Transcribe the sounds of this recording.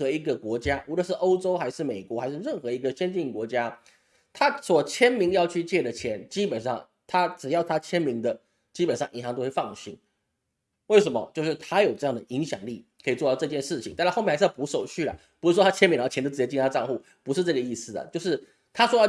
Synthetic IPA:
xɤ˧˥i˧˥ɡə˧kwɔ˧˥t͡ɕja˥ʔu˧˥lə˨˦ʂɻ̩˥˩ʔo˥ʊʈ͡ʂo˥ʊxa˧˥ɪʂɻ̩˥˩me˨˩ɪkwɔ˧˥xa˧˥ɪʂɻ̩˥˧ɻə˥˩nxɤ˧˥i˧˥ɡə˧ɕɛ˥nt͡ɕi˥˩ŋkwɔ˧˥t͡ɕja˥ | t̪ʰa˥swɔ˨˩t͡ɕʰjɛ˥nmi˧˥ŋjɑ˥˧ʊt͡ɕʰy˥˧t͡ɕjɛ˥˩də˩t͡ɕʰjɛ˧˥nt͡ɕi˥pə˨˩nʂɑ˥˩ŋ | t̪ʰa˥ʈ͡ʂɻ̩˨˩jɑ˥˩ʊt̪ʰa˥t͡ɕʰjɛ˥nmi˧˥ŋd̪ə˧ | t͡ɕi˥pə˨˩nʂɑ˥˩ŋʔi˧˥nɦɑ˨˧ŋt̪o˥xwe˥˧ɪfɑ˥˩ŋɕḭ˧˥n | we˥˩ɪʂ̬ə˧˥mə̰˧t͡ɕjo˥˧ʊʂɻ̩˥˩t̪ʰa˥jo˨˩ʊʈ͡ʂɤ˥˧jɑ˥˩ŋd̪ə˩ʔi˧˥ŋɕjɑ̰˨˩ŋli˥˩kʰə˧˥i˨˩t͡swɔ˥˧ɑ˥˧ʈ͡ʂɤ˥˧t͡ɕjɛ˥˧nʂɻ̩˥˩t͡ɕʰi˨ŋt̪a˥˧˥mjpu˧˥ʂo˨˩ʊt͡ɕʰy˥˩lɐ̰˩pu˧˥ʂɻ̩˥˩wɔ˥a˥t͡ɕʰjɛ˥nmi˧˥ŋna˥˩t͡ɕʰɛ˧˥t̪o˥˩ʈ͡ʂ̩˥˩˥t͡ɕi˥˧˩a˥˧ʈ͡ʂɑ˥˧ŋxu˥˩ | pu˧˥ʂɻ̩˥˧ʈ͡ʂɤ˥˩ɡə˩i˥˩sɹ̩˨˩d̪ə̰˩t͡ɕjo˥˧ʊʂ̬ɻ̩˥˩ | t̪ʰa˥ʂwɔ˥jɑ˥˧

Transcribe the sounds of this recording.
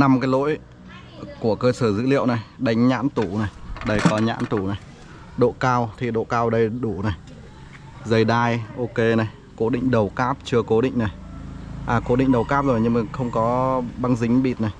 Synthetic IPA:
na˧mkaː˨˦jlo̰˧˥j | ku˧˩əkəː˧səː˧˩zɨ̰˧˥lḭ˧˨əwna˨˩jɗa˨˦jŋ̟ɲa̰ː˧˥nt̪u˧˩na˨˩jɗə˧˩jkɔ˨˦ɲa̰ː˧˥nt̪u˧˩na˨˩j | ɗo̰˧˨kaː˧wt̪ʰi˨˩ɗo̰˧˨kaː˧wɗə˧jɗu˧˩na˨˩j | zə˨˩jɗaː˧jʔo˧ke˧na˨˩j | ko˨˦ɗḭ˧˨ŋ̟ɗə˨˩wkaː˦˥p̚t͡ɕɨ˧əko˨˦ɗḭ̈˧˨ŋ̟na˨˩jʔaː˨˩ko˨˦ɗḭ̈˧˨ŋ̟ɗə˨˩wkaː˦˥p̚zo˨˩jɲɨ˧ŋmaː˨˩xə˧wŋ͡mkɔ˨˦ɓa˧ŋzï˨˦ŋ̟ɓi˨˩t̚na˨˩j

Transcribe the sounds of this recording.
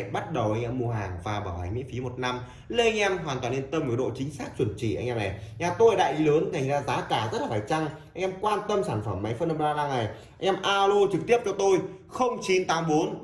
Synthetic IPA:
ɓa˦˥t̚ɗə˨˩wʔa˧jŋ̟ʔɛ˧mːu˧əɦaː˨˩ŋvaː˨˩ɓaː˧˩wha̰˨˩ŋ̟mḭ˧˥əfi˨˦mo˨˩t̚na˧m | lə˧ʔa˧ŋ̟ʔɛ˧mɦwaː˨˩t̪waː˨˩nle˧nt̪ə˧m˨˩ɗo̰˧˨t͡ɕï˨˦ŋ̟saː˦˥k̚t͡ɕwə˧˩nt͡ɕḭ˧˨ʔa˧ŋ̟ʔɛː˧mʔa˨˩jʔaː˧˩t̪o˧jəː˨˩ɗa̰ː˧˨jʔi˨˦ləː˨˦nka˨˩jŋ̟zaː˧zaː˨˦kaː˧˩zə˦˥t̚laː˨˩faː˧˩jt͡ɕa˧ŋʔa˧jŋʔɛ˧mkwaː˧nt̪ə˧msaː˧˩nfə˧˩mːa˨˦jfə˧nʔə˧mzaː˧laː˧ŋa˨˩j | ʔa˧jŋ̟ʔɛː˧mʔaː˧lo˧t͡ɕɨ˨˩k̚t̪i˦˥əp̚t͡ɕɔ˧t̪o˧jxə˧wŋ͡mt͡ɕi˨˦nt̪aː˨˦mɓo˨˦n

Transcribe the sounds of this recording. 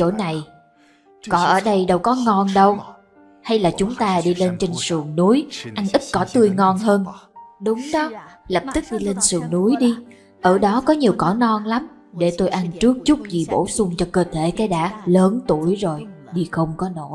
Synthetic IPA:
t͡ɕo̰˧˩na˨˩j | kɔ˨˦ʔəː˧˩ɗə˧jɗə˧wkɔ˨˦ŋɔ˧nɗə˧w | ha˧jlaː˨˩t͡ɕʊ˨˦ŋ͡mt̪aː˧ɗi˧le˧nt͡ɕe˧nsɨ˨˩əŋnu˨˦əjʔa˧nʔï˦˥t̚kɔ˨˦t̪ɨ˧əjŋɔ˧nɦəː˧nɗʊ˨˦ŋ͡mɗɔ˨˦lə˨˩p̚t̪ɨ˦˥k̚ɗi˧le˧nsɨ˨˩əŋnu˨˦əjɗi˧ | ʔəː˧˩ɗɔ˨˦kɔ˨˦ɲi˨˩əwkɔ˧˩˦nɔ˧nla˨˦m | ɗe˧˩t̪o˧jʔa˧nt͡ɕɨ˦˥ək̚t͡ɕʊ˦˥k͡p̚zi˨˩ɓo̰˧˩sʊ˧ŋ͡mt͡ɕɔ˧kəː˧t̪ʰe˧˩kaː˨˦jɗa̰ː˧˥ləː˨˦nt̪u˧˩əjzo˨˩j | ɗi˧xə˧wŋ͡mkɔ˨˦no̰˧˩˨j

